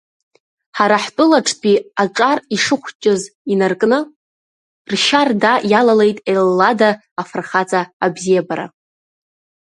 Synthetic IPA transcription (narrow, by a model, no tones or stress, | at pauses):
ħaɾaħtʼʊlaʈ͡ʂʰdʼiaʈ͡ʂʼariʂɨχʷt͡ʃʼɪzinarkʼnɨ | rʃardajalalejtʼelːadaː | frχat͡sʼaːbzijabaɾa̰